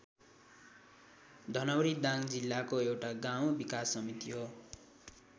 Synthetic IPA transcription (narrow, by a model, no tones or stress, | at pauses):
d̪ʱʌnʌwɾid̪aŋd͡zilːakoewʈaɡaw̃bikasːʌmit̪iɦo